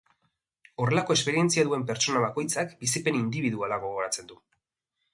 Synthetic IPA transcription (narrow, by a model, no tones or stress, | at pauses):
o̞ɾre̞lako̞espe̞ɾie̞nt͡siaðue̞mpe̞ɾt͡so̞naβako̞jt͡sakbisipe̞nind̪iβiðualaɣ̞o̞ɣ̞o̞ɾat͡se̞nd̪u